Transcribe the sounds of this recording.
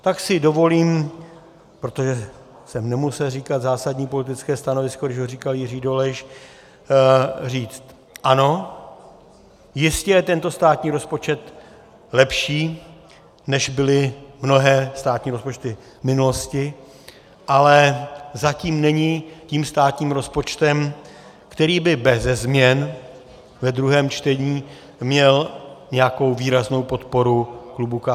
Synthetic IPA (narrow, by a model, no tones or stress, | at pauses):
t̪aksɪdo̞voliːm | pɾo̞t̪oʒɛ | sɛmnɛmusɛlriːkat̪zaːsadɲiːpo̞lɪt̪ɪt͡skɛːst̪ano̞vɪskodɪʃɦoriːkaljɪriːdolɛʃ | riːt͡st̪ | ʔano̞ | jɪscɛjɛt̪ɛnt̪o̞st̪aːt̪ɲiːɾo̞spo̞t͡ʃɛt̪ | lɛpʃiː | nɛʒbɪlɪmno̞ɦɛːst̪aːt̪ɲiːɾospo̞t͡ʃt̪ɪ | mɪnulo̞scɪ | ʔalɛzaciːmnɛɲɪciːmst̪aːt̪ɲiːmɾo̞spo̞t͡ʃt̪ɛm | kt̪ɛɾiːbɪbɛzɛzmɲɛn | vɛd̪ɾuɦɛːmt͡ʃt̪ɛɲiː | mɲɛlɲɛjako̞wviːɾazno̞wpo̞t̪po̞ɾuklubuka